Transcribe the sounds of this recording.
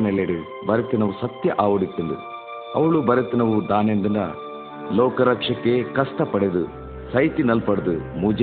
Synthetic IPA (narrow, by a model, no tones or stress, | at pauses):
nɛleɽu | bɐɾet̪inɐʋusɐt̪jɐʔaːʋɐɽit̪ːund̪ṵ | ɐ̰ʋɭubɐɾet̪inɐʋud̪aːnend̪inɐ̰ | lɔːkɐɾɐkʂɐkːe̞kɐsʈ̪ɐpɐɽed̪ṵ | sɐjt̪inɐlpɐɽd̪umuːd͡ʒ